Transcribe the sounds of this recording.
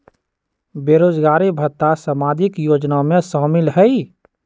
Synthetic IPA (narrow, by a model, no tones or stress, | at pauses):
beːɾoːd͡ʒɡaːɾibʱət̪ːasəmaːd̪ʱɪkjoːd͡ʒnamẽsaːmɪlɦɛi